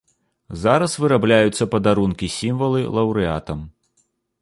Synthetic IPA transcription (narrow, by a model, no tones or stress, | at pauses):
zaɾɐsvɨɾablʲajut̪sːɐpɐd̪aɾunkʲisʲimvɐlˠɨlˠɐwɾɨa̰t̪ɐm